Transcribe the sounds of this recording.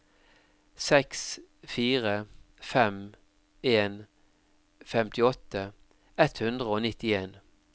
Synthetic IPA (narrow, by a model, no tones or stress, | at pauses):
sɛksfiːʁə | fɛm | eːn | fɛmt̪ɪɔt̪ːə | ɛt̪hʉnd̪ʁəoːnɪt̪ɪeːn